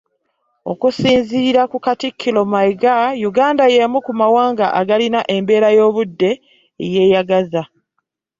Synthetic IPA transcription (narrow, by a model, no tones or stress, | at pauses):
o̞̰kusiːnziːɾakukatikʰːilo̞majɡajuɡaːndaje̞mukumawaːŋɡaʔaɡalinaʔe̞mbe̞ːɾajo̞ːβudːe̞ː | je̞ːjaɡaza